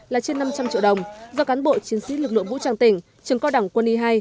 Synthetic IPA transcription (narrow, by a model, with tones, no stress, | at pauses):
laː˨˩t͡ɕe˧nːa˧mt͡ɕa˧mt͡ɕḭ˧˨ɗə˨˩wŋ͡mzɔ˧kaː˨˦nɓo̰˧˨t͡ɕi˨˦ənsḭ˧˦˥lɨ˨˩k̚lɨ̰˧˨əŋv̰t͡ɕaː˨˩ŋt̪ï˧˩ŋ̟ | t͡ɕɨ˨˩ŋkɔ˧ɗa˧˩wŋ͡mkwə˧nʔi˧ɦaː˧j